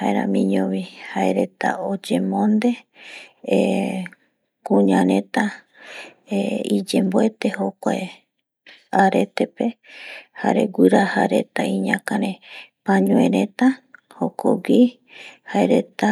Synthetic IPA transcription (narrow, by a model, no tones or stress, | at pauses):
haeɾa̰mĩɲõβihaeɾe̞t̪a̰od͡ʒemõnd̪e̞ | kuɲãɾẽt̪a | eid͡ʒemboe̞t̪ehokʷae | aɾe̞t̪epehaɾeɡʷɨɾaha̰ɾe̞t̪aiɲãkaɾẽpãɲõẽɾẽt̪a | hokʰo̰wi | haeɾet̪a